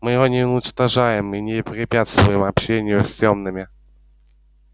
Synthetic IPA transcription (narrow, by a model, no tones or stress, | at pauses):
mɨjɪɣonʲɪʊnʲɪt͡ʂt̪ɐʐajɪminʲɪpɾʲɪpʲat̪st̪vʊjɪmɐpɕenʲɪɪjʊsʲtʲomnɨmʲɪ